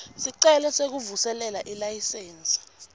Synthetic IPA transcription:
siǀɛlɛsek̬uvusɛlɛlaʔilajisɛːnsʼi̥

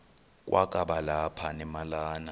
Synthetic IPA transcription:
k̬ʼwʔakʼaɓalapʰanɛmalaːna

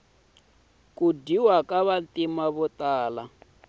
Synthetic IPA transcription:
kʼudiwakʼaβantʼimaβɔtʼaːla

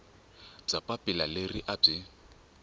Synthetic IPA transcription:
b͡ʐapʼapʼɪlaleriʔab͡ʐɪ

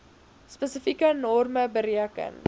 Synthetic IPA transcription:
spəsəfikənɔrməbəɾiəkə̰n

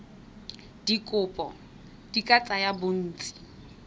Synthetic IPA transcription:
d̥ikʼʊpʼɔ | d̥ikʼat͡sʼajabʊn̩ːt͡sʼi̥

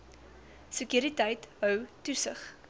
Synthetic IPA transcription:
səkjuɾitəjtɦœwtusə̰χ

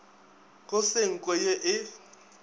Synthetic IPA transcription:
ɣʊsɪŋ̩kʼwɛjeʔɪ

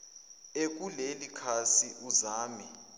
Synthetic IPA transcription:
ek̬ulelikʰasiʔuzaːmɛ

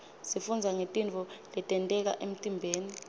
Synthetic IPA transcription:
sifund͡zʱaŋetʼint͡fɔlɛtʼɛntʼɛk̬a̰ʔem̩tʼimbʱeːni

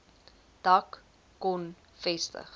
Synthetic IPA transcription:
d̥ɐkː | ɔn | fɛstə̰χ

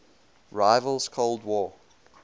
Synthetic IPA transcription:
ɹaɪvəlˠz̥kʰoʊlˠdwɔː

